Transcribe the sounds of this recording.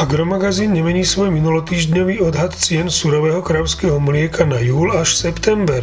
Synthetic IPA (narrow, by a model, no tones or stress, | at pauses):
aɡɾɔmaɡaziːnɲɛmɛɲiːsʋɔjminulɔt̪iːʒɟɲɔʋiːɔd̪ɦat̪t͡sɪɛnsuɾɔʋɛːɦɔkɾaʊskɛːɦɔmlɪɛkanajuːlaʃsɛpt̪ɛmbɛɾ